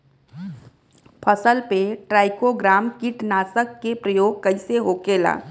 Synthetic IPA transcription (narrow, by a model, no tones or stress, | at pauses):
pʰəsəlpeʈɾaːɪkoɡɾaːmkɪʈnaːsəkːepɾəjoːɡ̚kɐiseɦoːkeːla̰ː